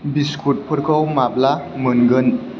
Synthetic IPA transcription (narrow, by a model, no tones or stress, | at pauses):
biskʰuʈ̚pʰəɾkʰɔwmablamənɡən